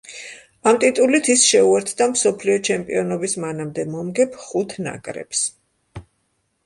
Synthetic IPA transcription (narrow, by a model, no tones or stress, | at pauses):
amt̪ʼit̪ʼulit̪ʰisʃɛuɛɾt̪ʰd̪amsɔpʰliɔt͡ʃʰɛmpʼiɔnɔbismanamd̪ɛmɔmɡɛpʰχut̪ʰna̰kʼɾɛ̰ps